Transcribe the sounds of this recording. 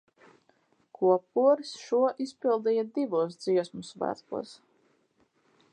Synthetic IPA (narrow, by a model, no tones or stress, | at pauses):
kʰuɔp̚uɔɾisʃuɔʔispilˠd̪ijad̪ivuɔs̬d̪z̥iɛsmusvæ̰ːkṵɔs